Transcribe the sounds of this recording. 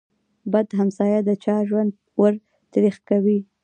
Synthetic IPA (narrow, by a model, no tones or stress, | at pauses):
bad̪ɦamsɑjad̪ət͡ʃɑʒwand̪ | wəɾ | t̪ɾixkawi